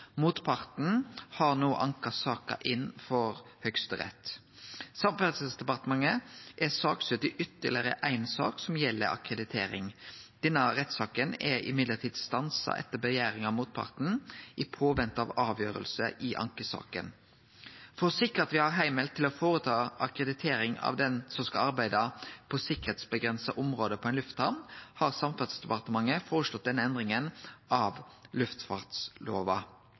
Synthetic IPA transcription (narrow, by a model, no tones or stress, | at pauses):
muːt̪pʰɑɾt̪n̩hɑɾnoːʔɑŋkəsɑːkə̰ʔɪnfɔɾhœkst̪əʁɛ̰t̪ː | sɑmpæsəsd̪ɛpɑʁt̪əmɑŋəʔɛsɑːksʉt̪ɪʔʏt̪ːəlɪɾə̰ʔæɪnsɑ̰ːksɔmjɛlːə̰ɾɑ̰kɾəd̪ɪt̪ʰḛːɾɪ̰ŋd̪̥ɛnːəʁɛt̪ːsɑːkənɛɪ̰mɪd̪lətʰiːd̪st̪ɑnsɑ̰ʔɛ̰t̪ːəbəjæːɾɪŋɑʋmuːt̪̚pʰɑ̰ɾt̪n̩ʔɪpʰoːʋɛnt̪ɑʋɑːʋjøːɾə̰lsə̰ʔɪʔɑ̰ŋkəsɑ̰ːkə̰n | fɔʁsɪkːəʁɑt̪ʋɪhɑʁɦæɪmɛlt̪ʰːɪlɔfoːʁət̪ʰɑːɑkʁəd̪ɪt̪ʰeːɾɪŋɑ̰ʋd̪ɛnsɔmskɑɑɾbæɪd̪ɑpʰɔsɪkəʁet̪sbəɡʁɛnsɑʔʊmʁoːd̪əpʰɔæɪnlʉft̪hɑʁmnhɑʁsɑmfɑd̪sd̪ɛpɑʁt̪əmɑŋːəfoːɾəʂlɔt̪̚d̪ɛnəɛnd̪ʁɪŋənʔɑʋlʉft̪fɑʁt̪sloːʋɑ